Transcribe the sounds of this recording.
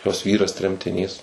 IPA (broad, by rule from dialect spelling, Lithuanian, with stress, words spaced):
joːs ˈʋʲiːrɐs tʲrʲɛmʲtʲɪˈnʲiːs